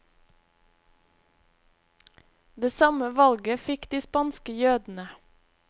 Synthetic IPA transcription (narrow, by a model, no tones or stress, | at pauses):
d̪eːsɑməʋɑlɡəfɪkd̪iːspɑnskəjøːd̪n̩ə